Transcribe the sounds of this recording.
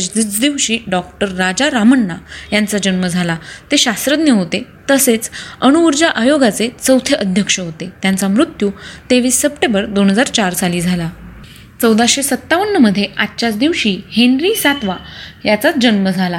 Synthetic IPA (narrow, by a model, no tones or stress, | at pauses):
it͡sd̪iʋɕiːɖɔk̚ʈəɾːad͡ʑaɾaməɳːajant͡sad͡ʑənməd͡zʱalat̪eɕast̪ɾəd̪njəɦot̪e | t̪əset͡səñuuɾd͡ʑaʔajoɡat͡set͡səwt̪ʰjəʔəd̪ʱjəkʂəɦot̪et̪jant͡samɾut̪juːt̪eʋiːsːəpʈẽmbəɾd̪onɦəd͡zaɾt͡ɕaɾsaliːd͡zʱala | t͡səwd̪aɕesət̪ːaʋənːəməd̪ʱːjeʔat̪ːt͡ɕat͡sd̪iʋɕiːhenɾiːsat̪ʋajat͡sat͡sd͡ʑənməd͡zʱala